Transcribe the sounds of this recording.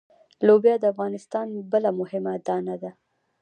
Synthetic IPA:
lobjɑd̪əafɣɑnɪst̪ɑnbəlamʊhɪmad̪ɑnad̪a

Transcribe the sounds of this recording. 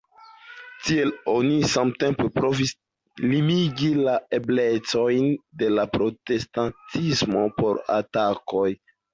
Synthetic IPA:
tie̞lo̞nisamtempepɾo̞vis | limiɡilae̞ble̞t͡so̞jnde̞lapɾo̞te̞stantʰismo̞po̞ɾa̰tako̞j

